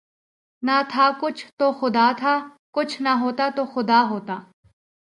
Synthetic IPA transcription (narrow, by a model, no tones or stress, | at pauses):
nɐt̪ʰakʊt͡ʃʰt̪oxʊd̪aːt̪ʰaː | kʊt͡ʃʰnɐɦoːt̪at̪oxʊd̪aːɦoːt̪aː